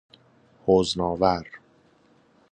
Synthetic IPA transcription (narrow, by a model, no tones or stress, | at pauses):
hoːznɒːvæɾ